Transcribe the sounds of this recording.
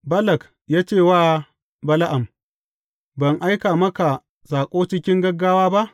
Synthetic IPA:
bɐ˦lɐ˨k | jaː˦t͡ʃeː˦˨waː˦˨ | bɐ˦la˦ʔa˨m | bɐ˨ŋʔa˦jkaː˨mɐ˦ka˨ | saː˨kʷʼoː˦t͡ʃɪ˦kʲɪ˦ŋɡɐ˦ɡːaː˦waː˦ba˦ʔ

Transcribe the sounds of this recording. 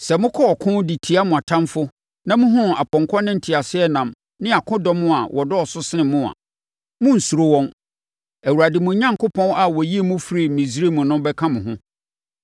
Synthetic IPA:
sɛ˨mʊ̃˦kʰɔ˦ɔ˨kʰʊ̃˦di˨tʰi˨a˦mʊ̃˨a˨tʰã˦mfʊ˦ | nã˦mʊ̃˦ɦʊ̃˦a˨pʰɔ̃˨ŋkʰɔ˦nɪ̃˦n̩˨tʰi˨a˨sɪ˦ɛ˦nã˨m | nɪ̃˦a˨kʰʊ̃˦dɔ˦mʊ̃˦a˨wʔɔ˨dɔ˦ɔ˨sʊ˦sɪ˦nɪ̃˨mʊ̃˦a̰˨ | mʊ̃˦n̩˨su˨ɾo˦wɔ̃˦n | æ˨wu˨ɾa˨dɪ˨mʊ̃˨˦ɲã˦ŋkʰʊ˦pʰɔ̃˦na˨wɔ˨ji˦e˨˦mʊ̃˦fɾi˨mĩ˨sɾi˦mʊ̃˨nʊ̃˦mbɛ˦kʰã˦mʊ̃˨ɦʊ̃˦

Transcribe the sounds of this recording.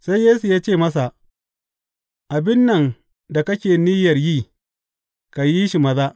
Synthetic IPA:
sa˦jjeː˦su˨jaː˦t͡ʃeː˦˨mɐ˦sa˨ʔ | ʔa˨bɪ˦nːɐ˨ŋ | da˨kɐ˦kʲeː˨niː˦jɐ˨rjiː˦ | ka˨ji˦ʃi˨mɐ˨˦zaː˦ʔ

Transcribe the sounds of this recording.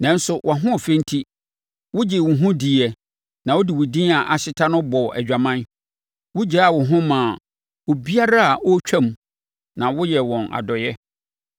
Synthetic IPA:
nã˨n̩˦sʊ˨wʔã˨ɦʊ̃˦˨fɛ̃˦n̩˦tʰi˦ | wʊ˦d͡ʑɪ˨wʊ̃˨ɦũ˦di˨ɛ˨ | nã˨wo˦dɪ˨wʊ˨dĩ˦a˨ʔa˨ɕɪ˦tʰã˦nʊ̃˦bɔ˨ɛ̰˨d͡ʑᶣa˨mã˦n | wʊ˦d͡ʑa˦a˨wʊ˨ɦʊ̃˦mãː˨ | o˨bi˦a˦ɾa˦a˨ʔɔ˦t͡ɕᶣʰã˦m˨ | nã˨wʊ˦jɛ˨wɔ̃˨na̰˨dɔ˨jɛ˦

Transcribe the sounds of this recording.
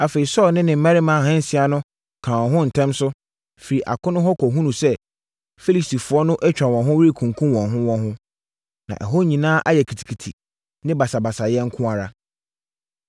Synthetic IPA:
a˨fe˨i˨sɔ˦lnɪ̃˦nɪ̃˨m̩˦mã˦ɾɪ˦mãː˨ɦɛ̃˦n̩˨sɪ˨a˨nʊ̃˦ | kʰãː˨wɔ̃˨ɦʊ̃˦n̩˨tʰɛ̃˦msʊ˦ | fi˨ɾi˨ʔa̰˨kʰʊ̃˦nʊ̃˦ɦɔ˦kʰɔ˨ɦũ˦nũ˨sɛ˦ | fe˦li˨sti˨fʊ˨ɔ˦nʊ̃˦ʔɛ˦t͡ɕᶣa˨wɔ̃˨ɦʊ̃˦wɪ˦i˦kʰũ˨ŋ˨kʰũ˦mwɔ̃˨nɦʊ̃˦wɔ̃˦nɦʊ̃˦ | nã̰˨ʔɛ̰˨ɦo˦ɲĩ˨nãː˦ʔa˦jɛ˨kʰi˨tʰi̥˨kʰi˨tʰḭ˨ | nɪ̃˦ba˨sa˨ba˨sa˨jɛ̃˦ŋ̩˦kʰʊ̃˦a˨ɾa˦

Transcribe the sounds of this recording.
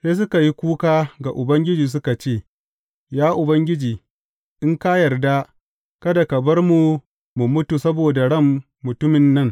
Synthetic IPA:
seː˦s̬ʊ˦ka˨ji˦kʷuː˦kaː˦ɡa˨ʔʊ˨bɐ˦ŋɡʲɪ˦d͡ʒiː˨s̬ʊ˦ka˨t͡ʃeː˦˨ | jaː˦ʔʊ˨bɐ˦ŋɡʲɪ˦d͡ʒiː˨ | ʔɪ˦ŋka˦jɐ˨rda˦ | kɐ˦da˨kɐ˨bɐ˦rmu˨ | mu˨mʊ˦tu˨sɐ˦boː˨da˨ɽɐ˦˨mː | ʊ˨tʊ˦mɪ˨nːɐ˦ŋ

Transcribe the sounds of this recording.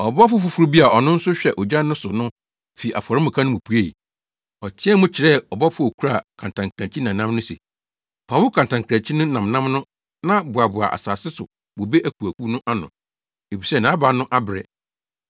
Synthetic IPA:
ɔ˨bɔ˦fʊ˦fʊ˨fu˦ɾu˦bi˦a˨ʔɔ˨nʊ̃˦n̩˦sʊ˦ɕᶣɛ˨ʔɔ˨d͡ʑã˦n˦nʊ̃˦sʊ˨nʊ̃˦ | fi˨a̰˨fɔ˨ɾɪ˦mʊ̃˨kʰã˦nʊ̃˦mũ˨pʰu˨˦e˦i˨ | ɔ˨tʰɪ˦ɛ˦mʊ̃˦t͡ɕʰɪ˨ɾɛ˦ɔ˨bɔ˦fʊ˦o˨kʰu˦ɾa˦˨kʰã˨ntʰã˨ŋkʰɾã˨t͡ɕʰi˦nã˨nã˦mnʊ̃˦sḛ˨ | fʰa˨wʊ˦kʰã˨n˨tʰã˨ŋkʰɾã˨t͡ɕʰi˦nʊ̃˦nã˨mnã˦mnʊ̃˦ | nã˦bʊ˨a˨bʊ˨a̰˨ʔa̰˨saː˨sɪ˦sʊ˨ | bo˨be˦ʔæ˦˨k̚ʰu˨æ˨kʰu˦nʊ̃˦ʔa˦nʊ̰̃˨ | e˨fi˨sɛ˦˨nã˨˦ba˨nʊ̃˦ʔa˦bɾɛ̰˨

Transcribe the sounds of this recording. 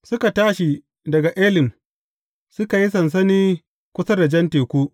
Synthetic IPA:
sʊ˦ka˨taː˦ʃi˨ | dɐ˨ɡa˨ʔeː˦lɪ˨m | sʊ˦ka˨ji˦s̬ɐ˨ns̬ɐ˦niː˦ | kʷʊ˦sɐ˦da˨d͡ʒɐ˦nteː˨kʷuː˦

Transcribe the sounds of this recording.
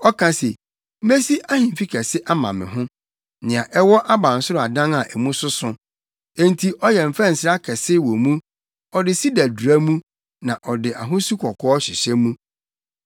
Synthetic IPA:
ɔ˦kʰã˦sḛ˨˦ | me˦si˦ʔa˦hĩ˨m˨fi˦kʰɛ˨sɪ˦ʔa˦mã˨mɪ̰̃˨ɦʊ̃˦ | nɪ̃˨a˨ʔɛ˦wɔ˦ʔa˦bã˨n̩˨sʊ˦ɾʊ˦˨a˨dã˦ŋa˨ʔæ˨mũ˦sʊ˦sʊ̃˦ | ẽ˦n˨tʰi˨ʔɔ˦jɛ˨m̩˨fɛ˦n̩˨sɪ˨ɾa˦kʰɛ˨sɪ˦wɔ˨mũ˦ | ɔ˨dɪ˨si˦dæ˨du˨æ˦mũ˦ | nã˨ʔɔ˨dɪ˨ʔa˨ɦʊ̃˦su˦kʰɔ˨kʰɔ˦ɔ˦ɕɪ˨ɕɛ˦mũ˦

